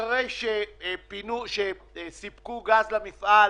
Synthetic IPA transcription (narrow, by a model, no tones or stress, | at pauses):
ʁejʃepinuʃe | sipkuɡazlamifʔa